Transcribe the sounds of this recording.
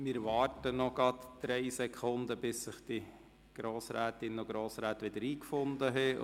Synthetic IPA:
mɪːɾʋɑːrtənɔɡ̥ɑt̪d̥ɾɛɪsɛkʰʊnd̪əbɪsːɪχd̥̪i | ɡ̥ɾoːsɾæːt̪ɪnoɡ̥ɾoːsɾæːt̪ʋɪd̥̪əɾiːkfʊnd̪əɦɛ

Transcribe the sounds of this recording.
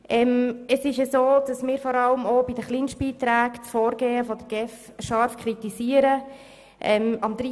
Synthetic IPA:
ʔɛməsɪʃəsoːd̥ɑsmɪːɾfɔɾɑləmobidəχlinʃt̚b̥iːt̪ɾæːkt͡sfɔːɾɡeːəfɔd̪əɾɡ̥ɛf | ʃɑɾfkʰɾit̪iziːəɾə | ʔɛmɑmd̥̪ɾi

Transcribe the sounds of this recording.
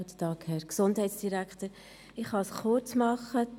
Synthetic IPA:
t̪ə̥tɑːkhɛɾksondɦɛɪtsd̥iɾækχt̪əɾ | ɪχhɑsχʊɾt͡smɑχːə

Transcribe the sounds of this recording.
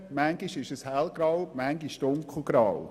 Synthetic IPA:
mæŋɡiʃɪʃəshælɡɾɑwmæŋɡiʃdʊŋkχ̩ɡɾɑw

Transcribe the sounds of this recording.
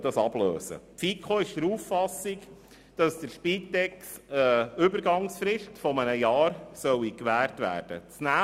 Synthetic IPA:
d̥ɑsɑb̥lø̰ːsə̰tfikʰoɪʃd̥əɾuːfːɑsik | d̥ɑsd̥əɾʃpiːt̪ːɛksəʏbəɾɡɑŋsfɾɪʃtfɔmənəjɑːɾsœwikʋæːrtʋæ̰ːɾd̥ə̰t͡snæ

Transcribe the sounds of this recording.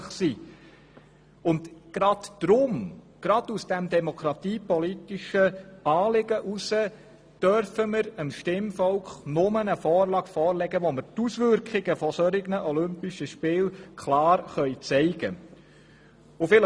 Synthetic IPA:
χsi | ʊndɡ̥ɾɑdd̥ɾʊm | ɡ̥ɾɑd̥̪usd̥ɛmd̪ɛmɔkʰɾɑt̪iːpɔlit̪iʃəɑːlɪɡəʔusə | d̥œɾfəməɾəmʃtɪmfɔlkχnʊmənəfɔːrlɑːɡ̥fɔːrlɛɡəʋoməɾtusʋʏɾkχɪɡəfɔsɔɾɪɡnəʔɔlʏmpɪʃəʃpɪːlkʰlɑːɾχœʏt͡sɛɪɡə | ʊfɪlə

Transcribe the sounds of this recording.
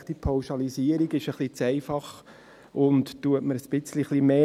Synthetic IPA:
d̥ipʰɑʊʃɑliziəɾiɡɪʃəχlit͡sɛɪfɑχ | ʊnt̪tːuətməɾəsb̥ɪt͡sliχlimeː

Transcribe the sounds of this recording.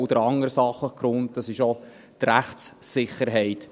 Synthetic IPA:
wd̪̥əɾɑŋəɾsɑχləχɡ̥ɾʊnt̚d̥ɑsɪʃo | t̪ɾæχtsːɪχəɾɦɛɪt

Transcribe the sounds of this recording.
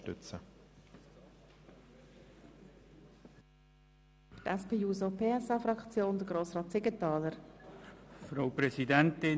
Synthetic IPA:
tʏ̰t͡sə | tɛspeːuːzopʰeːɛsɑːfɾɑkt͡sjoːnd̪əɡ̥ɾoːsʁɑːt̪sɪɡətɑːləɾ | fɾaʊpɾɛsidɛnt̪ɪ

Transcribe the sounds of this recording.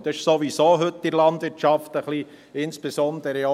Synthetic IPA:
d̪ɛʃsoʋisoːɦɵt̪ːɪɾlɑnd̪ʋɪɾtt͡ʃɑft̪əχli | ɪnsb̥esɔnd̪əɾəo

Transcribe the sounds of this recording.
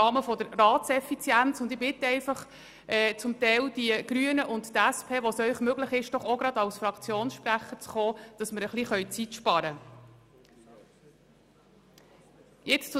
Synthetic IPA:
ɑːməfɔd̥̪əɾːɑːtsɛfit͡sjænt͡sʊnd̪ɪbɪt̪əɛɪfɑχ | ɛːt͡sʊmt̪ɛɪld̥iəɡ̥ɾyənəʔʊnttæspʰeːʋosœʏχmøɡləχɪʃd̥ɔχoɡɾɑd̪ɑwsfɾɑkt͡sjoːnsʃpɾæχəɾt͡sχoːd̥ɑsməɾəχliχœʏt͡sitʃpɑɾə | jɪt͡st͡sʊ

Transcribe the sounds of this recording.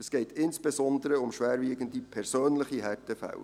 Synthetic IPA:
əsɡ̥ɛɪtɪnsb̥ɛsɔnd̪əɾəʊmʃʋæːɾviːɡəndipʰɛɾsøːnləχiɦætəfæ̰l

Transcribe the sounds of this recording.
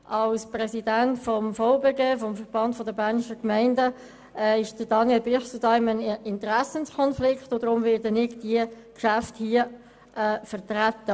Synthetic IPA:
ʔɑlsprɛsidæntfɔmfɔʊbeːɡeːfɔmfəɾb̥ɑntfɔdəbæɾnɪʃəkmæɪndə | ɪʃd̥əd̥ɑnjɛlbɪχsudɑɪmənɪntəɾæsənskʰɔnflɪkχtod̥ɾʊmvɪːɾdənɪɡd̥iə | kʃæfthiə | ʔɛːfəʁtɾat̪ːə

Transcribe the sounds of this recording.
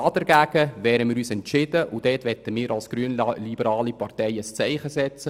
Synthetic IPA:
ɑːd̥ɛɾɡæːɡ̥əʋɛːɾəmɪːɾyːsɛntʃɪd̥əʔʊd̥ɛːtʋɛt̪əmɪːɾɑlsɡ̥ɾyənlibəɾɑːlipɑrtɛɪəst͡sɛɪχəsɛt͡sə

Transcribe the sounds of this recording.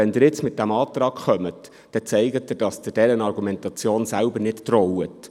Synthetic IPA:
ɛnd̪ɪɾjɪt͡smɪt̚d̥æmɑːt̪rɑːkχœmət | d̥ɛt͡sɛɪɡətːəd̥ɑsd̥̪ɪdɛɾənɑrɡumɛntɑt͡sjoːnsælbəɾnɪttɾɔwət

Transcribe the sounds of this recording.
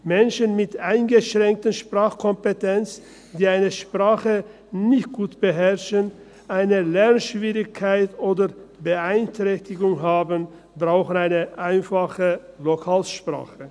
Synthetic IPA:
mɛnʃənmɪtaɪnɡəʃʁ̥ɛŋk̚tənʃpʁ̥aːχkʰɔmpetɛnt͡s | d̥iːaɪnəʃpʁ̥aːχə | nɪçt̚ɡ̥uːtb̥əɦɛɐʃən | ʔaɪnəlɛʁnʃv̥iːʁɪçkʰːaɪtoːdəbəaɪntʁ̥ɛçtɪɡʊŋɦaːbən | bʁaʊxən̩aɪnəʔaɪnfaχəlokʰaːlʃpʁ̥a̰ːxə

